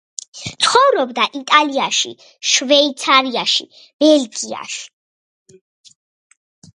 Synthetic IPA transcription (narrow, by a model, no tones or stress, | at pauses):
t̪sʰχɔvɾɔbd̪aʔit̪ʼaliaʃḭ | ʃvɛit̪sʰaɾiaʃḭ | b̥ɛlɡia̰ʃi̥